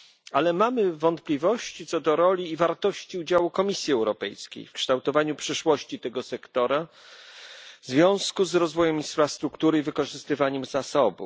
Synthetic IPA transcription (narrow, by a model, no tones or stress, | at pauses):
alɛmamɘvɔnt̪̚plʲivɔɕt͡ɕit̪sɔd̪ɔɾɔlʲiːvaɾt̪ɔɕt͡ɕiud͡ʑawukɔmʲisʲjiɛwɾɔpɛjskʲḛjfkʂt̪awt̪ɔvaɲupʂɘʂwɔɕt͡ɕit̪ɛɡɔsɛkt̪ɔɾa | vzvʲjɔ̃w̃skuzɾɔzvɔjɛmĩnsfɾast̪ɾukt̪uɾɘivɘkɔʐɘst̪ɘvaɲɛmzasɔbṵ